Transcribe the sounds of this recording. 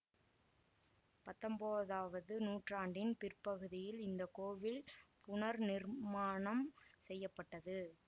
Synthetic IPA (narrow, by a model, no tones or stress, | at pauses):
pɐt̪ːɐmboːðaːʋɐðɯnuːʈraːɳɖɪnpɪrpɐɣɯðɪjɪlɪnd̪ɐkoːʋɪlpʊɳɐɾnɪɾmaːɳɐmsɛjːɐpːɐʈːɐðɯ